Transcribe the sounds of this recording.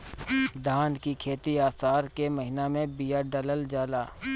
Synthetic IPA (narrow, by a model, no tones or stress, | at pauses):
d̪ʱaːnkikʰeːt̪iaːsaːɾkemɐɦɪnamẽbijaɖələld͡ʒaːlaː